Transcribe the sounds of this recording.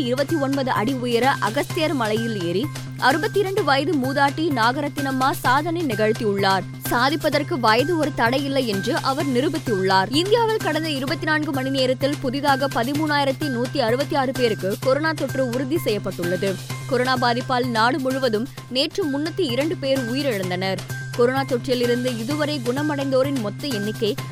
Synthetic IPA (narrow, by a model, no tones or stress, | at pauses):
iɪɾɯbɐt̪ːiɔnbɐðɯʔɐɽiʊjɐɾɐʔɐɣɐst̪ɪjɐɾmɐlɐjɪleːɾi | ʔɐɾɯbɐt̪ːiɪɾɐɳɖɯʋɐːjðɯmuːðaːʈːinaːɣɐɾɐt̪ːɪnɐmːaːsaːðɐnɐɪnɪɣɐɻɯt̪ːiʊɭːaːɾ | saːðɪpːɐðɐrkɯʋaːjðɯɔɾɯt̪ɐɽɐɪjɪlːɐɪjɛndrɯʔɐʋɐɾnɪɾɯbɐt̪ːiʊɭːaːɾɪnd̪ɪjaːʋɐlkɐɽɐnd̪ɐɪɾɯbɐt̪ːɪnaːnɡɯmɐnɪneːɾɐt̪ːɪlpʊðɪðaːɣɐpɐðɪmuːnːaːjɪɾɐt̪ːinuːt̪ːiɐɾɯbɐt̪ːiaːɾɯpeːɾɯkːɯkɔɾonaːt̪ːɔʈrɯʊɾʊðisɛjːɐpːɐʈːɯɭːɐðɯkɔɾoːnaːbaːðɪpːaːlnaːɽɯmʊɻʋɐðɯm | neːʈrɯmːʊnːɐt̪ːiɪɾɐɳɖɯpeːɾʊjɪɾɛɻɐnd̪ɐnɐɾ | kɔɾoːnaːt̪ɔʈrɪjɪlɪɾɯnd̪ɯɪðɯʋɐɾɐɪɡʊɳɐmɐɽɐɪnd̪oːɾɪnmɔt̪ːɯɛnːɪkːɐɪ